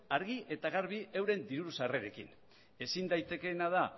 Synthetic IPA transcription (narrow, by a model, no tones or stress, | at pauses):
aɾɣiʔe̞t̪aɣaɾβ̞iewɾe̞nd̪iɾuɾusare̞ɾe̞kḭn | e̞sind̪ajt̪e̞ke̞nað̞a